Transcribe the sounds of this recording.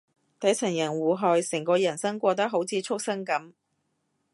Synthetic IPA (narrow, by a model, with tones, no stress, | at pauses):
t̪ɐ˨˥jt͡sʰɐ˨˩ŋjɐ˨˩nwuː˨ɦɔː˨jsɪ˨˩ŋkʷɔː˧jɐ˨˩nsɐ˥ŋkʷɔː˧t̪̬ɐ˥ɦo˨˧˥wt͡sʰiː˨˧t͡sʰʊ˥k̚sɐ˥ŋkɐ˨˥m